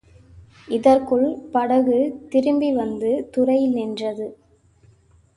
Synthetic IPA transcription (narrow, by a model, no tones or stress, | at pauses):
ʔɪðɐrkɯɭpɐɽɐɣɯt̪ɪɾɯmbiʋɐnd̪ɯt̪ʊrɐjɪlnɪndrɐðɯ